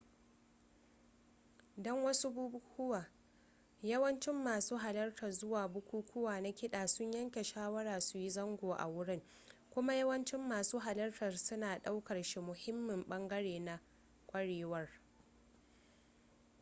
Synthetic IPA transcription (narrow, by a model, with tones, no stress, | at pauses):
dɔ˦ŋwɐ˦su˦buː˦bʊ˦kʷʰʊ˦waː˨ | jɐ˦wɐ˦nt͡ʃɪ˦mːaː˨suː˦ɦa˨lɐ˦rtʰɐ˨rzʊ˦waː˨bʊ˦kʷuː˦kʷʊ˦waː˨na˦kʲɪ˦ɗaː˨sʊ˦ɲjɐ˦ŋkʲe˨ʃaː˦wɐ˦ɽaː˨su˨ji˦zɐ˦ŋɡʷoː˨ʔa̰˨wʊ˦ɽɪ˦ŋ | kʷʊ˦ma˦jɐ˦wɐ˦nt͡ʃɪ˦mːaː˨suː˦ɦa˨lɐ˦rtɐ˨rsʊ˦naː˨ɗa˦wkɐ˨rʃi˦mʊ˨hɪ˦mːɪ˨mɓɐ˦ŋɡɐ˦ɽeː˨na˨ | kʷʼɐ˦ɽeː˨wɐ˦r